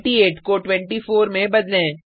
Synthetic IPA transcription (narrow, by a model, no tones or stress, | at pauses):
ʈieːʈkoʈwɛ̃ɳʈifoːɾmẽbɐd͡ʒ̪lẽː